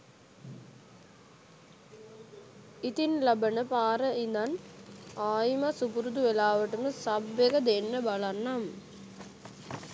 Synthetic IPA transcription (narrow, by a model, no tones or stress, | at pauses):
it̪inlɐbɐnəpaːɾɐind̪ɐnaːjmɐsupuɾud̪uʋelaːʋɐʈːumɨsɐbːeɡɐd̪enːəbɐɭɐnːam